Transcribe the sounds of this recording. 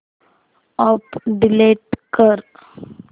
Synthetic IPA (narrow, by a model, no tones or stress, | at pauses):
ɔpɖileʈkəɾ